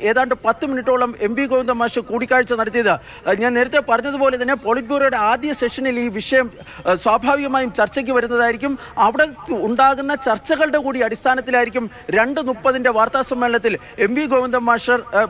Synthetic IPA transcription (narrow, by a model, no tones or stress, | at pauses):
e̞ːðaːɳɖɨpɐt̪ːɨminiʈːo̞ːɭɐme̞mbiɡoʋɐnd̪ɐmːaːʂɐkuːɽikʲːaːɻit͡ɕːɨnɐɽɐt̪ːijɐðɨ | ɲaːnneːɾɐt̪ːepɐrɐɲːɐðupo̞ːle̞t̪ɐnːe̞po̞ːɭitbuːrɾɐjuɽe̞aːd̪jɐseʂɐniliːʋiʂɐjɐm | swaːbʱaːʋiɣɐmaːjumt͡ɕɐrt͡ɕːɐk̬ʲːɨʋɐɾun̪ːɐðaːjiɾik̬ʲːum | ɐʋiɽe̞uɳɖaːɣunːɐt͡ɕɐrt͡ɕːɐɣɐɭɽe̞kuːɽiɐɽist̪ʰaːnɐt̪ːilaːjiɾikʲːum | ɾe̞ɳɖɨnupːɐðinde̞ʋaːrt̪aːsɐmːeɭɐnɐt̪ːil | e̞mbiɡoːʋind̪ɐmːaːʂɐr